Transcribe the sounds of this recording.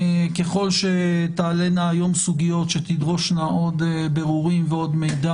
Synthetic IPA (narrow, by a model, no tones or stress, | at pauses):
ke̞χo̞lʃe̞t̪aːle̞naːjo̞msuɡijo̞t̪ʃet̪id̪ʁo̞ʃnaʔo̞d̪be̞ʁuʁimveo̞d̪me̞jd̪a